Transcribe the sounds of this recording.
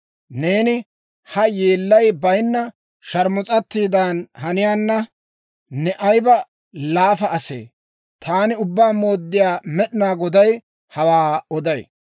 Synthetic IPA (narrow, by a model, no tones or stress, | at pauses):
ne̞ːnɪ | hɐjeːlːɐjbɐjnːɐ | ʃɐɾmʊt͡sʼɐt̪ːiːd̪aːnɦɐnɪjaːnːɐ | nɛʔɐjbɐ | laːfɐʔɐsḛː | t̪ʰaːnɪʊbːaːmo̞ːd̪ːɪjaːmɛɗɪnaːɡɔd̪ɐj | hɐwaːɔd̪ɐj